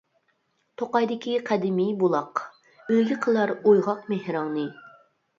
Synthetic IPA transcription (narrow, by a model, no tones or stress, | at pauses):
t̪ʰoqɑjd̪ɪkʲiqʰæd̪ɪmijbulˠɑq | øjɡʲiqʰəlˠɑɾojʁɑqmehɾɑŋnɨ